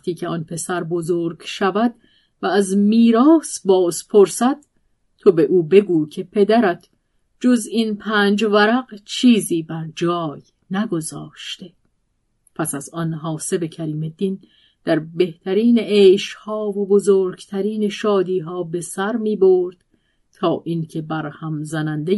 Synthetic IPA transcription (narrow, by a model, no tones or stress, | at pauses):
æxt̪ʰiːcʰeɒːnpʰe̞sæɾbozoːɾɡʃævæd̪ | væːzmiːɾɒːsbɒːzpʰo̞ɾsæd̪̥̚ | t̪ʰo̞be̞ʔuːbe̞ɡuːcʰe̞pʰe̞d̪æɾæt̪ʰ | d͡ʒo̞zinpʰæːnd͡ʒvæɾæqt͡ʃʰiːziːbæɾd͡ʒɒːj | næɡo̞zɒːʃt̪e̞ | pʰæsæzɒnɦɒːse̞be̞cʰæɾiːme̞d̪in | d̪̥æɾbe̞ht̪ʰæɾiːneeːʃhɒːvobozoːɾɡ̥t̪ʰæɾiːneʃɒːd̪iːɦɒːbe̞sæɾmiːboɾd̪̥ | t̪ʰɒːʔincʰe̞bæɾhæmzænænd̪e